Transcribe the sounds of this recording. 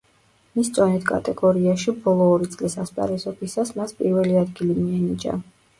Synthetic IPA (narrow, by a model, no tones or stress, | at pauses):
mist̪sʼɔnit̪ʰkʼa̰t̪ʼɛɡɔɾiaʃibɔlˠɔːɾit̪sʼlisaspʼa̰ɾɛzɔbisasmaspʼḭɾvɛliad̪ɡilimiɛnid͡ʒa̰